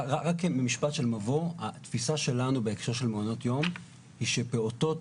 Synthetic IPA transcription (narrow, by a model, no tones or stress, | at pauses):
ʁaʁakmemiʃpatʃelmavoat̪fisaʃe̞lanubeekʃo̞ʁʃelmeono̞tjo̞m | hiʃe̞peoto̞t